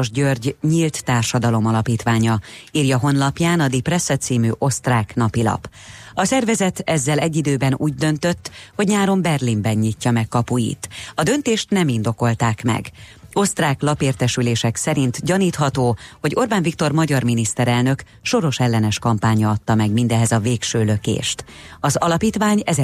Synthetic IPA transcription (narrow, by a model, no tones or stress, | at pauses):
oʒɟørɟɲiːlt̪ːaːrʃɒd̪ɒlo̞mɒlɒpiːt̪ʋaːɲɒiːrjɒɦo̞nlɒpjaːnɒd̪iprɛsːɛt̪siːmyːʔo̞st̪raːknɒpilɒ̰pɒsɛrvɛzɛt̪ɛzːɛlɛɟːid̪øːbɛnṵːɟd̪ø̞nt̪ø̞t̪ːho̞ɟɲaːɾo̞mbɛrlimbɛɲːicːɒmɛkːɒpujḭt̪ɒd̪ø̞nt̪eːʃt̪nɛmind̪o̞ko̞lt̪aːkmɛ̰ɡo̞st̪raːklɒpeːrt̪ɛʃyleːʃɛksɛɾint̪ɟɒniːt̪hɒt̪oːho̞ɟo̞rbaːɱvikt̪o̞rmɒɟɒrminist̪ɛɾɛlnø̞k | ʃo̞ɾo̞ʃɛlːɛnɛʃkɒmpaːɲɒɒt̪ːɒmɛɡmind̪ɛɦɛzɒveːkʃøːlø̞kḛːʃt̪ɒzɒlɒpiːt̪ʋaːɲɛ